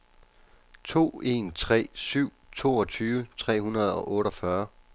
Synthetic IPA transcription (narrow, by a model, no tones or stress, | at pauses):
t͡sʰo̝̰ːe̝̰ːnt͡sʰʁɛ̰ːsyʊ̰t͡sʰo̝ːɒ̽t͡sʰyːʋət͡sʰʁɛ̰ːɦunɐð̞ˠɒ̽ʔɔ̽ːɾɒfɶɐ